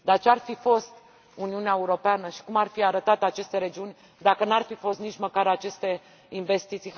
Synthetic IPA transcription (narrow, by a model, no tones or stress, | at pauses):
d̪art͡ʃearfifo̞st̪ | uniuneaeuɾo̞peanəʃi̥kumarfiaɾət̪at̪eat͡ʃe̞st̪eɾe̞d͡ʒiunʲ | d̪akənarfifost̪nit͡ʃməkaɾat͡ʃe̞st̪e̞ | inve̞st̪it̪si